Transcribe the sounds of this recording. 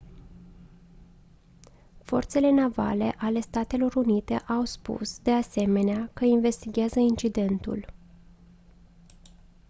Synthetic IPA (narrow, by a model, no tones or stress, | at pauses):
fo̞̰rt̪se̞le̞nava̰le̞̰ʔale̞st̪at̪e̞lo̞ɾunit̪e̞ʔawspṵsd̪e̞ase̞me̞neakəinve̞st̪iɡʲeazəint͡ʃid̪e̞nt̪ṵl